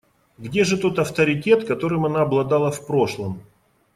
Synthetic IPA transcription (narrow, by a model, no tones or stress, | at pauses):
ɡdʲe̞ʐɨt̪o̞t̪ɐft̪əɾʲɪtʲe̞t̪kɐt̪o̞ɾɨmɐnaːblˠɐd̪alˠəfpɾo̞ʂlˠəm